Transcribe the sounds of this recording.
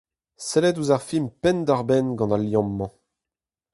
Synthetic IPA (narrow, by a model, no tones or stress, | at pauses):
sɛlɛduzaʁfimpɛnd̪aʁbɛnɡɑ̃naljɑ̃mːɑ̃